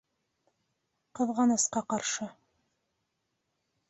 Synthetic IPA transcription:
qɤ̆ðʁɑnɤsqɑqɑɾʃə

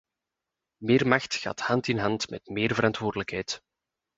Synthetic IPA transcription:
meːrmɑxtxa̰ːthɑntɪnɦɑntmɛ̰tmɪːrvəɾɑntʋoːrdələkhɛjt

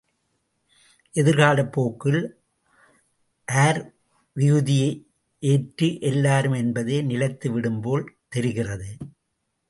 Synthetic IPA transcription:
ʔɛðɪɾɣaːlɐpːoːkːɪl | ʔaːɾ | ʋɪɣɯðɪjɐɪ | ʔeːʈrɯʔɛlːaːɾɯmɛnbɐðeːnɪlɐɪt̪ːɯʋɪɽɯmpoːlt̪ɛɾɪɣɪrɐðɯ

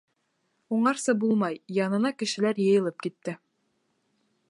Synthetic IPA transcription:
uɴɑɾsɤbulˠmɑjjɑnɤ̆nɑkɘ̆ʃɘ̆læɾjɤ̆jɤ̆lˠɤp̚kit̪ːɘ

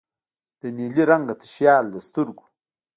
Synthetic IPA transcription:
d̪̥eniliɾaŋɡat̪ə̥ʃjaːld̪əst̪uɾɡu̥

